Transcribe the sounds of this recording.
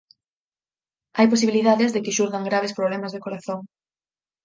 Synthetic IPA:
ajposiβiliðaðɪzðɪkɪʃuɾðaŋɡɾaβ̞espɾoβlɛmazðekoɾaθoŋ

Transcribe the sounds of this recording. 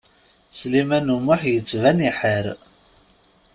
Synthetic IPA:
slimænumʊħjət͡sːvæniħəɾ

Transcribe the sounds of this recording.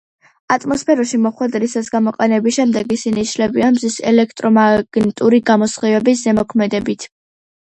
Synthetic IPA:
at̪ʼmɔspʰɛɾɔʃimɔχwɛd̪ɾisasɡamɔqʼɛnɛbiʃɛmd̪ɛɡisiniːʃlɛbiamzisɛ̰lɛkʰt̪ʼɾɔmaɡ̥nit̪ʼuɾiɡamɔsχivɛbiszɛmɔkʰmɛd̪ɛbit̪ʰ

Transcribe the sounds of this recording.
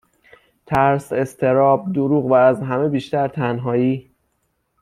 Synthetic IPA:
t̪ʰæɾse̞st̪ʰe̞ɾɒːb̚d̪oɾuːɣvæːzɦæme̞biːʃt̪æɾt̪ʰænɦɒːjiː

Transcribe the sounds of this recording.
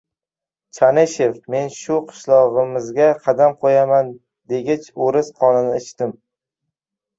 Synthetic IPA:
t͡ʃʰaneʃe̞fme̞nʃʊqʰɨ̥ʃlˠɒʁɨmɪzɡʲaqʰɑd̪amqʰojaman | d̪e̞ɡʲɪt͡ʃoɾɪsqʰɒnɪnɪɪt͡ʃt̪ɪm

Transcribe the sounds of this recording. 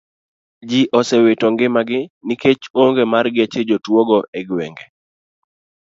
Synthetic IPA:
d͡ʒiʔɔsewetɔŋɡɪmaɡɪniket͡ʃoŋɡemarɡɪet͡ʃed͡ʒotwoɡɔʔeɡwɛŋɡe

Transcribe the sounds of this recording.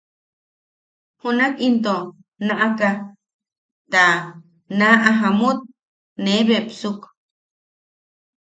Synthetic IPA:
hunakint̪o | naʔaka | t̪a | naʔaɦamut̪̚ | neβepsuk

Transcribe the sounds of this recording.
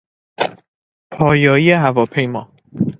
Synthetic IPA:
pʰɒːjɒːieɦævɒːpʰe̞jmɒː

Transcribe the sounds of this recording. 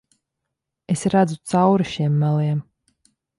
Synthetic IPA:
esɾad̪zut̪sawɾiʃiɛmːælˠiɛm

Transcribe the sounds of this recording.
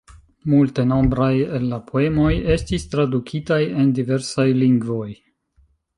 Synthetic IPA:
multe̞no̞mbɾaje̞lːapʰo̞e̞mo̞je̞stistɾadukʰitaje̞ndive̞ɾsajliŋɡvo̞j

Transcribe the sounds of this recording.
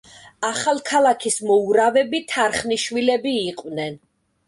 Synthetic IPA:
aχalˠkʰalˠakʰismɔuɾavɛbit̪ʰaɾχniʃwilɛbiːqʼwnɛn

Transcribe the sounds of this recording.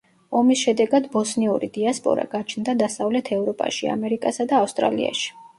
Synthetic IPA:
ɔmisʃɛd̪ɛɡad̪bɔsniuɾid̪iaspʼɔ̰ɾa̰ɡ̥at͡ʃʰnd̪ad̪asavlɛt̪ʰɛvɾɔpʼa̰ʃia̰mɛɾikʼasad̪aːfst̪ʼɾa̰lḭa̰ʃi̥

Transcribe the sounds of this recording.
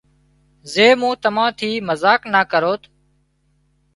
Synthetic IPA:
zeːmũːt̪əmãːt̪ʰiːməzaːknaːkəɾoːt̪

